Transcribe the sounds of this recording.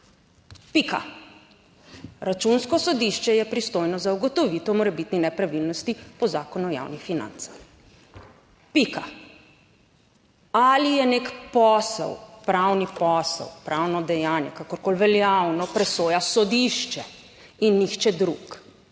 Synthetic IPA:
pika̰ | ɾat͡ʃunskɔsɔd̪iʃt͡ʃɛjɛpɾist̪oːjnɔzauɡɔt̪ɔʋit̪ɔmɔɾɛbit̪ninɛpɾaʋilnɔst̪ipɔzaːkɔnuja̰wnixfina̰nt̪sḁx | pika | alijɛnekpɔsɛ̰wpɾawnipɔsɛ̰wpɾawnɔd̪ɛjaːnjɛkakɔɾkoːlʋɛljawnɔpɾɛsoːjasɔd̪iʃt͡ʃɛ | inːixt͡ʃɛd̪ɾuk

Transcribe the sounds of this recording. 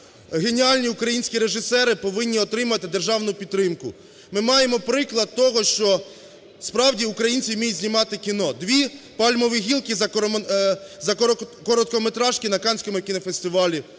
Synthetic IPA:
ɣe̞nʲiɑlʲnʲiʊkɾɐjinʲsʲkʲiɾe̞ʒɪsɛɾɪpɔʋɪnʲːiɔt̪ɾɪmɐɐt̪ɪd̪erʒɑwnʊpʲid̪ɾɪmkʊ | mɪmɑjemɔpɾɪklˠɐd̪̚t̪ɔɦɔʃt͡ʃɔ | spɾɑwdʲiʊkɾɐjinʲt͡sʲimʲijtʲzʲnʲimɑt̪ɪkʲinɔd̪ʋʲipɑlʲmɔʋiɦʲilˠkɪzɐ | zɐkɔɾɔt̪̚kɔmet̪ɾɑʃkʲinɐkɑnʲsʲkɔmʊkʲinɔfest̪ɪʋɑlʲi

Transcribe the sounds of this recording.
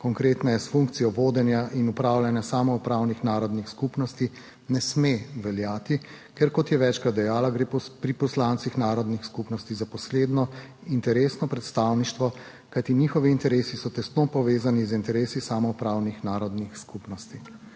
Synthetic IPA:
kɔŋkɾeːt̪nɛjɛsfuŋk̚t̪sijɔʋoːd̪ɛnjaʔinupɾaːwlʲjanjasaːmɔupɾaːwnixnaːɾɔd̪nixskupnɔst̪i | nɛsmeʋɛljaːt̪i | kɛɾkɔt̪jɛʋɛt͡ʃkɾat̪d̪ɛjaːlaɡɾepɾipɔslaːnt̪sixnaːɾɔd̪nixskupnɔst̪izapɔsleːd̪nɔ | int̪ɛɾeːsnɔpɾɛt̪st̪awniʃt̪ʋɔ | kajt̪iniːxɔʋiːnt̪ɛɾeːsisɔt̪ɛst̪nopɔʋeːzanizint̪ɛɾeːsisaːmɔupɾaːwnixnaːɾɔd̪nixskupnɔst̪i

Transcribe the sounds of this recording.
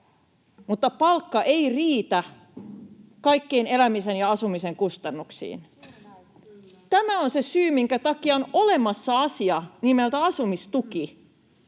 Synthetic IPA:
mut̪ːɑpɑlkːɑʔeiriːt̪æ | kɑikːeinelæmisenjɑɑsumiseŋkust̪ɑnːuksḭːn | t̪æmæonsesyːmiŋkæt̪ɑkiɑonole̞mɑsːɑɑsiɑnimelt̪æɑsumist̪uki

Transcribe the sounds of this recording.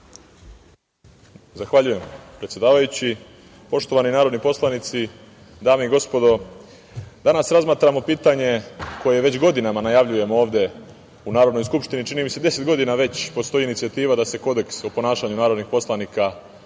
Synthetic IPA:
zaxʋaʎuje̞mpɾe̞t̪sje̞d̪aːʋajut͡ɕi | po̞ʃt̪o̞ʋaninaːɾod̪nipo̞slˠanit̪si | d̪aːmeiɡo̞spo̞d̪o̞ | d̪anasɾazmaːt̪ɾamo̞piːt̪aɲe̞ko̞je̞ʋe̞t͡ɕɡo̞d̪inamanajaʋʎuje̞moo̞ːʋd̪e̞ | unaːɾo̞d̪nojskupʃt̪init͡ʃinimise̞d̪e̞se̞t̪ɡo̞d̪inaʋe̞t͡ɕpo̞st̪o̞iːnit̪sijat̪iːʋad̪ase̞ko̞d̪e̞ksopo̞naːʃaɲunaːɾo̞d̪nixpo̞slˠanika

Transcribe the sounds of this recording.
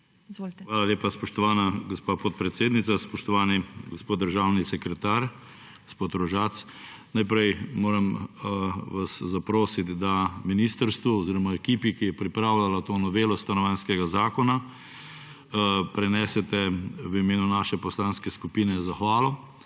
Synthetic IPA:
zoʋaːlaleːpaspɔʃt̪ɔʋaːnaɡɔspaːpɔt̪̚pɾɛt̪seːd̪nit̪saspɔʃt̪ɔʋaːniɡospoːt̪d̪əɾʒaːwnisɛkɾɛt̪aːɾ | ɡ̥ospoːt̪ɾɔʒat̪s | najpɾɛjmoːɾɐm | ʋaszapɾoːsit̪d̪aminiːst̪əɾst̪ʋuɔziːɾɔmaɛkiːpikijɛpɾipɾaːwlalat̪oːnɔʋeːlɔst̪anɔʋaːnskɛɡazaːkɔna | pɾɛnɛsɛt̪ɛʋimeːnunaːʃɛpɔslanskɛskupiːnɛzaxʋaːlɔ

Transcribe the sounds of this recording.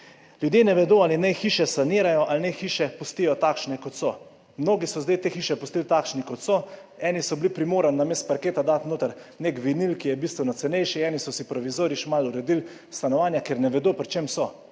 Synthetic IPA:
ljud̪jenɛʋɛd̪oːalinɛjxiːʃɛsaniːɾajɔʔalnɛxiːʃɛpust̪ijɔt̪aːkʃnɛkɔt̪sɔ | mnoːɡisɔzd̪ajt̪eːxiːʃɛpust̪ilt̪aːkʃnikɔt̪sɔ | ɛːnisɔblipɾimoːɾanːameːst̪̚paɾkeːt̪ad̪at̪noːt̪əɾnekʋinilkijɛbiːst̪ʋɛnɔt̪sɛnɛjʃiɛːnisɔsipɾɔʋizoːɾjiʃmaluɾɛd̪il | st̪anɔʋaːnjakeɾnɛʋɛd̪opɾit͡ʃemsɔ

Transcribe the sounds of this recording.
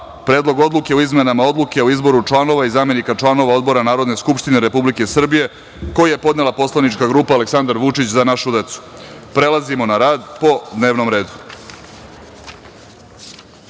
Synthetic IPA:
pɾe̞ːd̪lˠo̞ɡo̞d̪luke̞oizme̞namao̞d̪luke̞oizbo̞ɾut͡ʂlˠano̞ʋaizaːme̞nikat͡ʃlˠano̞ʋao̞d̪bo̞ɾanaːɾo̞d̪ne̞skupʃt̪ine̞ɾepublike̞sr̩bije̞ | ko̞jije̞po̞d̪ne̞lˠapo̞slˠanit͡ʃkaɡɾuːpaːleksand̪aɾʋut͡ʂit͡ɕzanaʃud̪e̞t̪su̥pɾe̞lˠazimo̞naɾaːd̪po̞d̪ne̞ːʋno̞mɾe̞ːd̪u̥

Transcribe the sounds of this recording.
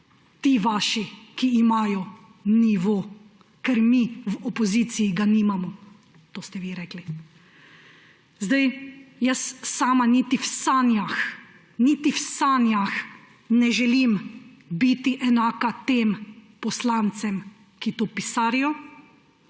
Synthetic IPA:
t̪iːʋaːʃikiːmaːjɔ | niʋoː | kɛɾmiʋɔpɔziːsijiɡaniːmamɔ | t̪oːst̪ɛʋiːɾɛːkli | zd̪ajjəssaːmanit̪iwsanjax | nit̪iwsaːnjax | nɛʒɛlim | bit̪iʔɛnaːkat̪eːmpɔslaːnt̪sɛm | kit̪oːpisaːɾijɔ

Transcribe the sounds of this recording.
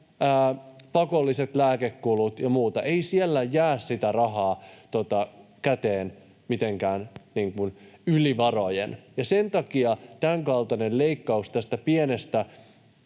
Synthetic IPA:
əːpɑkolːiset̪læːkekːulut̪jɑmuːt̪ɑʔeisielːæjæːssit̪ærɑɦɑːt̪ot̪ɑkæt̪eːn | mit̪eŋkæːnniːŋkunyliʋɑrojḛnjɑse̞nt̪ɑkiɑt̪æŋkɑlt̪ɑnelle̞ikːɑust̪æst̪æpienest̪æ

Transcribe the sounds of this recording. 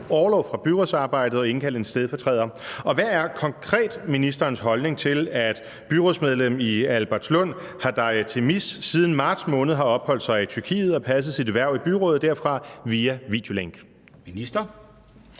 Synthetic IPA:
ɒːlɒʊfʁɑ̈b̥yʁosɑ̈ːb̥ɑ̈ɪ̰d̥əð̩ˠɒ̽e̝nkʰæl̰̥ensd̥eð̞ˠfɒ̽t͡sʰʁɛð̰ˠɐɒ̽ʋææɐkʰɒ̽ŋkʰʁɛ̰ːd̥minisd̥ɐːnsɦɒ̽lne̝ŋt͡sʰe̝læd̥ | b̥yʁosmeð̞ˠlemiælb̥æɐt͡sʰslɔn̰ | hɑ̈d̥ɑ̈ɪð̩ˠt͡sʰe̝missiːð̞ˠn̩mɑ̈ːd̥smɔ̽ːnð̩ˠɦɑ̈ɒ̽b̥hɒ̽l̰d̥sɑ̈ɪit͡sʰyɐkʰḭːð̞̩ˠɒ̽pʰæs̬əð̩ˠsid̥eʋæɐ̰ʊ̰ib̥yʁɔ̽ːð̩ˠd̥æɐfʁɑ̈ʋiːæʋḭd̥jo̝leŋɡ̥ | minisd̥ɐ

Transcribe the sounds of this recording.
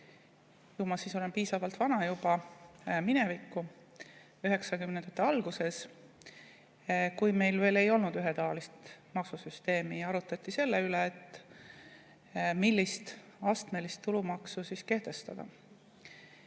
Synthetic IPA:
jumɑsiːso̞le̞npiːsɑvɑlt̪vɑnɑjub̥ɑmine̞vikːu | yɦe̞ksɑkymnend̪̥ɑt̪ːˑeɑlɡ̥use̞s | kujme̞jlve̞ːle̞jo̞lnud̪yɦe̞t̪ɑvɑlist̪mɑksusyst̪e̞ːmiɑɾut̪ːˑɑt̪ʲːˑise̞lːeyleːt̪ːˑ | milʲːist̪ | ɑst̪me̞list̪ːulumɑksusiske̞ht̪e̞st̪ɑ̰d̪̥ɑ̰

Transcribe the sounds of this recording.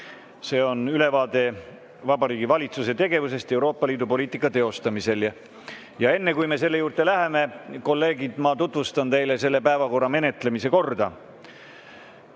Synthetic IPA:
se̞ːo̞nyle̞vɑːd̪e̞ | vɑbɑɾiːɡivɑlʲit̪sus̬e̞t̪e̞ɡe̞vuse̞st̪e̞uwɾo̞ːpːˑɑliːd̪upo̞lʲiːt̪ˑikːˑɑt̪e̞o̞st̪ɑmise̞l | jɑe̞nːe̞kujme̞se̞lːe̞juːrt̪e̞læɦe̞me̞ko̞lːe̞ːɡid̪̥mɑt̪ut̪ˑvust̪ɑnt̪e̞jlese̞lːe̞pæevɑko̞rːɑme̞ne̞t̪le̞mise̞ko̞rd̪̥ɑ̰

